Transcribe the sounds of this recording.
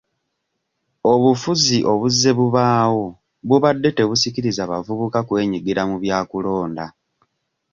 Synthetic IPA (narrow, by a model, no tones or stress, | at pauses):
o̞βufuziʔo̞βuzːe̞βuβaːwo̞ | βuβadːe̞te̞βusikiɾizaβa̰vuβukakwe̞ːɲiɡiɾamuβjaːkulo̞ːnda